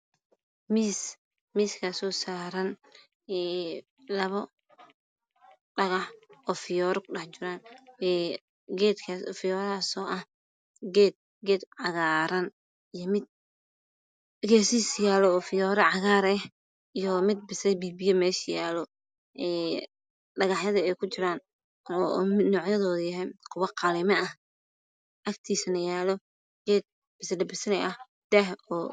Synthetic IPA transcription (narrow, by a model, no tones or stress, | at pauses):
miːs | miːskʰasɔːsaːɾɐn | ɛː | lɐβɔ | ɖɐɣɐħɔːfɪjɔːɾɔkʰʊɗɐħt͡ʃɪɾaːnɛ | ɡɛːd̪kʰasfɪjɔːɾasɔːʔɐh | ɡɛːd̪̚ | ɡɛːd̪ʕɑɣaːɾɐn | ijɔmɪd̪̚ | ɡɛːsiːsjaːlɔːfɪjɔːɾɐʕɑɣaːɾɛ | ijɔmɪd̪̚bɪsɐɾɛbiːbijɐmɛːʃjaːlɔ | ʔɛː | ɖɐɣɑħjɐðɐɛjkʰʊt͡ʃɪɾaːn | ɔ̰mɪnɔːʕjɐðɔːðʊjɐɦɛjqʰʊwɑqɑlɪmɛʔɐh | ʔɐkt̪ʰiːsɐnɐjaːlɔ | ɡ̥ɛːd̪̚ | bɪslɐbɪsɐlɛʔɐh | d̪̥ɛhɔː